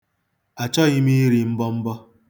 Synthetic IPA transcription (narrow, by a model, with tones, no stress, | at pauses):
a˨t͡ʃɔ˦ɣi˦mi˦i˦ɾi˨m̩˦bɔ˦m̩˦bɔ˦